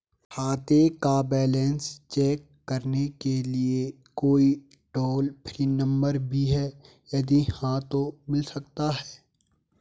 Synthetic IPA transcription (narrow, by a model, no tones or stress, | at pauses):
haːt̪ekabɛːlɛ̃ːnst͡ʃɛːkːɐɾnekelie | koːi | ʈoːlpʰɾiːnə̃mbəɾbʱiɦɛː | jɐd̪ihãt̪omɪlsɐkt̪aɦɛː